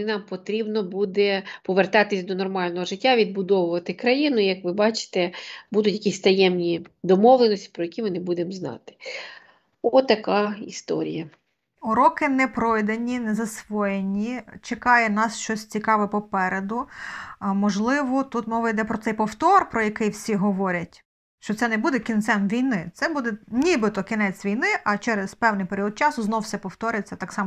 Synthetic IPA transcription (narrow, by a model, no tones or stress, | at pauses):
ɪnɑmpɔt̪ɾʲibnɔbud̪ɛpɔʋert̪ɑt̪ɪsʲd̪ɔnɔrmɑlʲnɔɦɔʒɪtʲːaʋʲid̪̚bʊd̪ɔʋʊʋɐt̪ɪkɾɐjinʊijɐkʋɪbɑt͡ʃɪ̥t̪ɛbud̪ʊtʲjɐkʲisʲt̪ɐjɛmnʲid̪ɔmɔʋlˠenɔsʲtʲi̥pɾɔjɐkʲimɪnɪbud̪emznɑ̰t̪ɪ̥ | ɔt̪ːɐkɑḭst̪ɔ̰ɾʲḭjɐ | ʊɾɔkɪnɛpɾɔjd̪enʲinɛzɐsʋɔjenʲit͡ʃekɑjɛnɑsʃt͡ʃɔsʲt͡sʲikɑʋɛpɔpɛɾed̪ʊ | mɔʒlˠɪʋɔt̪ut̪mɪʋɔjd̪ɛpɾɔt̪sɛjpɔwt̪ɔrpɾɔjɐkɪjwsʲiɦɔʋɔɾʲɐtʲ | ʃt͡ʃɔt̪sɛnɛbud̪ɛkʲint̪sɛmʋʲijnɪt̪sɛbud̪ɛnʲibɪt̪ɔkʲinɛt͡sʲʋʲijnɪʔɐt͡ʃɛɾezpɛwnɪjpeɾʲiɔd̪̚t͡ʃɑsʊznɔwsɛpɔwt̪ɔɾʲɪjt͡sʲːɐt̪ɑksɑm